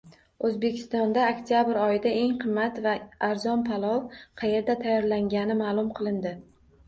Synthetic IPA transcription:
ɵzbe̞kʲʰɪ̥st̪ɒnd̪aːkʲt̪ʰijabɪɾɒjɪd̪ae̞ŋqʰɨmːat̪vaaɾzɒnpʰalˠɒwqʰɑje̞ɾd̪at̪ʰajːɒɾlaŋɡʲanɪmaːlˠʊmqʰɨlˠɪnd̪ɪ

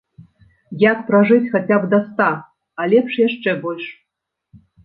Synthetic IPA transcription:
jak̚prɐʐɨt͡sʲxat͡sʲabd̪ɐst̪a | alʲepʂjaʂt͡ʂɛbolʲʂ

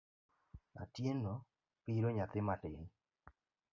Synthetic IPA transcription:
a̰tjeno | piɾoɲat̪ɪmatɪɲ

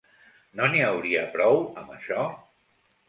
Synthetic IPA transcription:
noniəwɾiəpɾɔwəməʃɔ

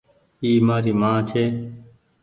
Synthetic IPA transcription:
iːmaːɾiːmãːt͡ʃʰeː

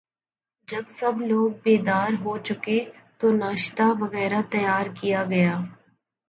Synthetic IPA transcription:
d͡ʒɐbsɐbloːɡ̚beːd̪aːɾɦot͡ʃʊket̪onaːʃt̪aʋɐɣɛːɾat̪ɐjaːɾkijaɡɐjaː

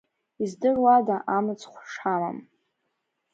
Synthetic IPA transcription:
izdɨrwadaʔamɨt͡sχʷʂama̰m

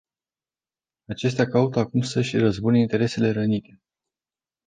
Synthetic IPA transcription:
at͡ʃe̞s̬t̪eakaut̪əakumsəʃʲrəzbuneint̪e̞ɾe̞se̞le̞ɾənit̪e̞

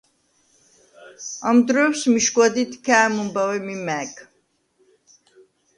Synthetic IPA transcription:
amd̪ɾɔɛwsmiʃɡwad̪it̪ʰkʰæːmumbawɛmimɛk

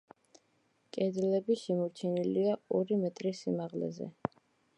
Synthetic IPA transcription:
kʼɛd̪ɛlɛbiʃɛmɔɾt͡ʃʰiniliaɔɾimɛt̪ʼɾisimaʁlɛ̰zɛ̰

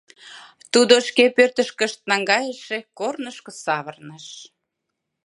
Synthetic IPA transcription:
t̪ud̪oʃkepørt̪əʃkəʃt̪̚nɑŋɡɑjəʃekornəʃkɤ̆sɑβərnəʃ

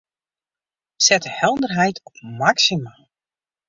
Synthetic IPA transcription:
sɛtəhɛlˠdərɦɛjtʰɔpmaksimaːlˠ

